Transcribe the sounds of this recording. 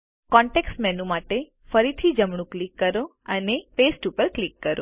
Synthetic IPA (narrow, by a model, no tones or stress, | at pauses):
kɔɳʈeksʈmɛnumaʈe | fəɾit̪ʰid͡ʒəmɳũklikːəɾo | ənefesʈupəɾklikːəɾo̰